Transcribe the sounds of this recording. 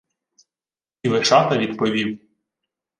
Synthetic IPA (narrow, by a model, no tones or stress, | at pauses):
iʋeʃɑt̪ɐʋʲid̪pɔʋʲiw